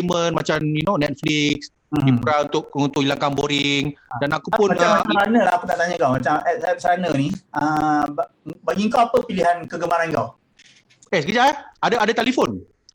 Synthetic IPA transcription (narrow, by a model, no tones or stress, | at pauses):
imə̃nma̰t͡ʃamjunonɛt̪̚fliks | dipɾaunt̪ʊkunt̪ʊkilaŋkaŋboɾiŋdanakupunaəsɾanə̃laɦakutnaʔt̪aɲəŋkawmat͡ʃamɛp̚sɛp̚sɾanəniəb | baɡiŋkawapəpiliɦankəɡəmaɾaniŋka̰w | ɛsɡəd͡ʒaaadaadat̪ɛlifon